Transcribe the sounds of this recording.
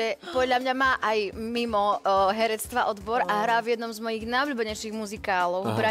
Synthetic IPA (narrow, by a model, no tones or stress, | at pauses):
ɛpɔd̪lʎamɲamaːʔajmimɔɦɛɾɛt͡st̪ʋaʔɔd̪bɔɾaɦɾaːvjɛd̪nɔmzmɔjiɣnajʊʎuːbɛɲɛjʃiɣmuzikaːlɔʊpɾa